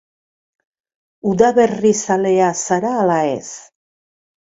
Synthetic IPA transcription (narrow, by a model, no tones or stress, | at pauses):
uðaβerisale̞asaɾaːlaḛs